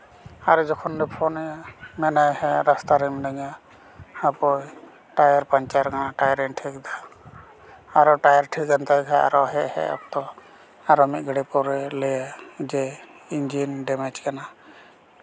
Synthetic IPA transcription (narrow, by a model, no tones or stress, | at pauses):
aɾd͡ʒɔkʰɔndɛpʰɔnaɲamɛnajhɛɾast̪aɾimnaɲa | hapɔj | ʈajaɾpaɲt͡ʃaɾkanaʈajɾɛnʈʰikd̪a | aɾɔʈajaɾʈʰikant̪ajkʰaʔa̰ɾɔɦɛʔhɛ̰ɔ̰p̚t̪ɔ | aɾɔmit̪̚ɡəɽɛpɔɾɛlɛjad͡ʒɛ | ind͡ʒinɖɛmɛt͡ʃkana